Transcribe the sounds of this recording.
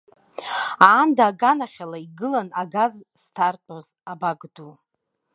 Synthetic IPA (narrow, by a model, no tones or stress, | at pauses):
aːndaːɡanaχʲalaiɡɨlanaɡazstʰartʼoz | abaɡdu